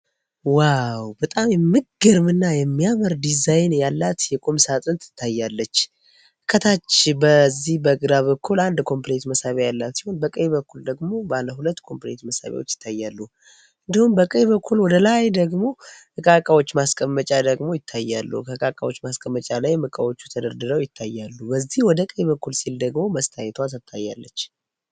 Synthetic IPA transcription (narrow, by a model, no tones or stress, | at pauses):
wawbət̪ʼamjɛmːɨɡɨɾmɨnːajɛmːijaməɾd̪izajnjalːat̪jɛkʼomsat̪ʼɨnt̪ʰɨ̥t̪ʰːajːalːət͡ʃː | hɨkʰːət̪ʰat͡ʃːbəzːihbəɡɨɾaβəkʰːuland̪kʰo̞mplet̪məsaβajalːat̪sihonbəkʼəjβəkʰːuld̪əɡmo̞baləɦulət̪ːkʰo̞mplet̪məsa̰βa̰wot͡ʃːjɪ̥t̪ʰːajːalːuh | ʔɨnd̪ihumbəkʼəjβəkːulwɔd̪əlajd̪əɡmo̞hɨkʼakʼawo̞t͡ʃːmaskʼəmːət͡ʃʼad̪əɡmo̞jɪt̪ʰːajːalːṵkʰəhɨkʼakʼawo̞t͡ʃːmaskʼəmːət͡ʃʼalajmɨkʼəwo̞t͡ʃːu̥t̪ʰəd̪əɾd̪ɨɾəwjɪt̪ʰːajːalːubəzːihwɔd̪əkʼəjβəkːulsild̪əɡmo̞məst̪ʰajɛt̪ʰat̪ɨt̪ʰːajːa̰lːət͡ʃː